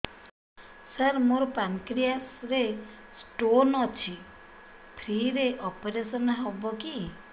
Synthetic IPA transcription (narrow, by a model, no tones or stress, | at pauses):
səɾmoɾɔpaŋkɾijasɾe | sʈonɔt͡ʃʰi | pʰɾiɾeʔɔpeɾesɔnɦɔbɔki